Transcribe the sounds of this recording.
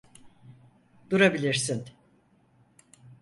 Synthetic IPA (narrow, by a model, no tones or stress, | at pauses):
d̪̥uɾabilʲiɾsin